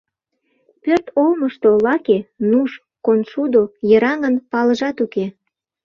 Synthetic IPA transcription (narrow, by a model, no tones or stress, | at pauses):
pørt̪olməʃt̪olɑkenuʃ | konʃud̪ojəɾɑŋənpɑləʒɑt̪uke